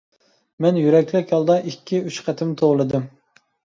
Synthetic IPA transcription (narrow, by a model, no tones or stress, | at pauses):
mɛnjyɾɛkʲlɪkʲɑlˠd̪ɑʔikʲʰːiyt͡ʃqʰæt̪ʰɪmt̪ʰoʁlˠɨd̪ɨm